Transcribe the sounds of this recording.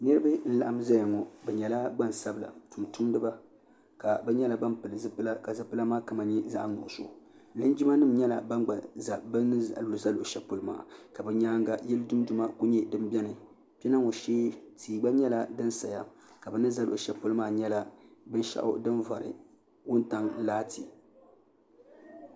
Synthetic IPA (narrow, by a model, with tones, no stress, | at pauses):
nɨ˦ɾɨ˦bɨ˦n̩˦la˨ʔa˦mza˦ja˨ŋɔ˨bɛ˨ɲɛ˨la˦ɡ͡ba˦n˨sa˦bɨ˨la̰˨tu˨mtʊ˦mdɨ˦ba˦ | ka˨bɛ˦ɲɛ˦la˨ba˦mpɨ˨lzɨ˦pɨ˦la˦ka˨zɨ˦pɨ˦la˦maː˦ka˨ma˨ɲi˦za̰˦ʔŋʊ̰˨ʔʊ˨so̰˨ | lɨ˦n˦d͡ʒi˦ma˦nɨ˦mɲɛ˦la̰˨ba˦nɡ͡ba˨za˨bɨ˦n˦˨˦lo˨za˦lo˨ʔʃɛ˨po˦lɨ˦ma̰ː˨ka˨bɛ˦ɲaː˦ŋɡa˨jɛ˦lɨ˦du˦m˦du˨ma˦ko˦ɲɛ˦dɨ˦mbʲɛ˦nɨ˨ | pɛ˦na˦ŋo˨ʃeː˦tʰiː˨ɡ͡ba˦ɲɛ˦la˨dɨ˦nsa˨ja˦ | ka˨bɛ˨nɨ˦za˦lo˨ʔʊ˨ʃɛ˨po˦lɨ˦maː˦˨ɲɛ˦la˦bɨ˦n˦ʃa̰˦ʔʊ̰˦dɨ˦nva˨ɾɨ̰˨ | wʊ˦n˦ta˦ŋ˦laː˦tʰi˨